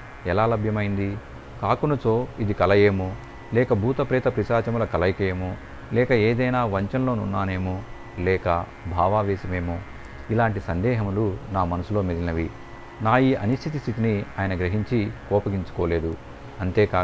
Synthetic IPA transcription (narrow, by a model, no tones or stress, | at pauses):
ɛlaːlɐbʱjɐmɐjind̪i | kaːkunɐt͡ʃoːid̪ikɐlɐjeːmoː | lɛːkɐbʱuːt̪ɐpɾɛːt̪ɐpɾisaːt͡ʃɐmulɐkɐlɐjkɐjeːmoː | lɛːkɐeːd̪ɐjnaːʋɐɲt͡ʃɐnlo̞ːnunːaːne̞ːmoː | lɛːkɐ | bʱaːʋaːʋɛːsɐmeːmoː | ilaːɳʈisɐnd̪ɛːɦɐmlunaːmɐnɐsulo̞ːmid̪inɐʋi | naːjiːɐnust̪ʰit̪ist̪ʰit̪inia̰ːjɐnɐɡɾɐɦiɲt͡ʃikɔːpɐɡiɲt͡ʃu̥kɔːle̞ːd̪u | ɐnt̪eːkaː